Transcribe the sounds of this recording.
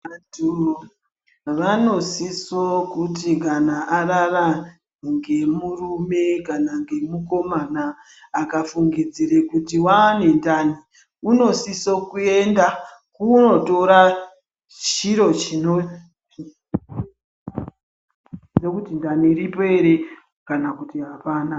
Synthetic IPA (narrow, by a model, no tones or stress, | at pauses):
tu | ʋano̞sisokutik̬anaʔarara | ŋɡe̞murume̞kanaŋɡe̞muko̞manaː | kafuŋɡid͡ziɾekutiwane̞ndani | uno̞siso̞kue̞ndakuno̞to̞ɾa | t͡ʃiɾo̞t͡ʃino | ekutindaniːripoe̞ɾe | kanakutiɦapaːna